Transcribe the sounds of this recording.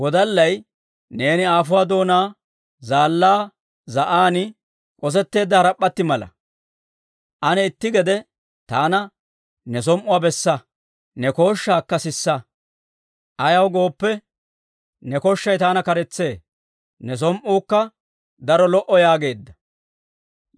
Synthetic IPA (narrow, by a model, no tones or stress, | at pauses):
wɔd̪ɐlːɐj | ne̞ːnɪaːfʊwaːd̪o̞ːnaː | zaːlːaː | zɐʔaːnɪ | kʼɔs̬ɛt̪ːe̞ːd̪ːɐhɐɾɐpːɐt̪ːɪmɐlɐ̰ | ʔɐnɛɪt̪ːɪɡɛd̪ɛ | t̪aːnɐ | nɛs̬ɔmʔʊwaːbɛsːɐ | nɛko̞ːʃːaːkːɐsɪsːɐ | ʔɐjɐwɡo̞ːpːɛ | nɛkɔʃːɐjt̪aːnɐkɐɾɛt͡sːe̞ː | nɛs̬ɔmʔuːkːɐ | d̪ɐɾɔlɔʔɔjaːɡe̞ːd̪ːɐ̥